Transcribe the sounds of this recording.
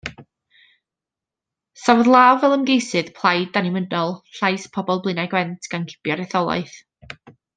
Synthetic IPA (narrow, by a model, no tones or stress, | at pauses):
sawɔðlˠaːwvɛlˠəmɡejsɨð̥pʰl̥ˠajdanɪmədɔlˠɬajspʰɔbɔlˠblˠɨnajɡwɛntʰɡ̥ankʰɪ̥b̥jɔɾɛθɔlˠa̰ɨθ